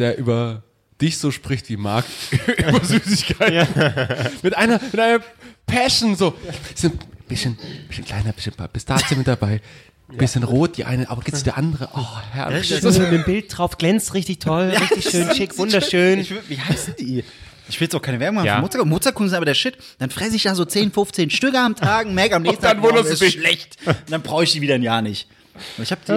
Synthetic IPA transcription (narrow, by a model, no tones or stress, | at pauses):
d̥eːɐʔyːbɐ | d̥ɪçz̥oːʃpʁ̥ɪçtv̥iːmaɐk̚tʔyːbɐzyːsɪçkʰaɪ | mɪtʔaɪnɐmɪtʔaɪnɐpʰɛʃn̩zoːsɪb̥ɪsçənb̥ɪsçənkʰl̥aɪnɐbɪsçənpʰa̰b̥ɪstaːt͡suːmɪt̚d̥abaɪ | b̥ɪsçənʁoːt̚d̥iːʔa̰ɪnəʔa̰ːbɐɡɪsd̥eɐʔandəʁəʔɔhɛɐlsnɪmbɪlt̚d̥ʁaʊfɡ̥lɛnt͡stʁɪçtɪçtʰɔljaɪçtɪʃøːnʃɪkvʊndɐʃøːnç̥viːhaɪst̩d̥iː | ʔɪçv̥ɪljɛt͡saʊkʰaɪnəvɛɐbʊŋhafmʊːt͡sakmʊt͡saɐkʰʊnzɪnabɐdeːɐʃɪt | d̥anfʁ̥ɛsəɪçd̥aːzoːt͡seːnfʊnft͡seːnʃtʏkəamtʰaːɡŋ̩mɛɐkamnɛçstn̩anvoːnəsʃlɛçtnd̥anb̥ʁaʊɪçd̥iːviːdɐɪnjaːɐnɪç | ʔaɪɪçhaːbd̥iː